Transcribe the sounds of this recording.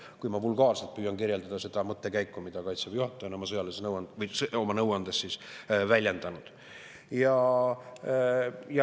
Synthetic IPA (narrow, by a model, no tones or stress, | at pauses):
kujmɑvulɡɑːrse̞lt̪̚pyːjɑnkirje̞ld̪̥ɑd̪̥ɑse̞d̪̥ɑmɤt̪ːe̞kæjkːˑumid̪̥ɑkɑjt̪sɑb̥juhɑt̪ːˑɑonomɑsɤjɑlesenɤwɑnvɤjso̞mɑnɤwɑnd̪̥esːisvælʲje̞nd̪̥ɑnud̪̥ | jɑ | jɑ